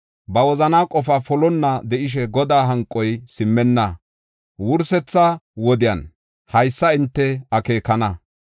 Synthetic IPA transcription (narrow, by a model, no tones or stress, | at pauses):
bɐwɔzɐnaːkʼɔfafɔlɔnːɐd̪ɛʔɪʃ̬ɛɡɔd̪aːɦɐŋkʼːɔjsɪmːɛnːɐ | wʊɾsɛt͡sːɐwɔd̪ɪjɐ̰n | hɐjsːɐɪnt̪ːɛɐke̞ːkːɐnɐ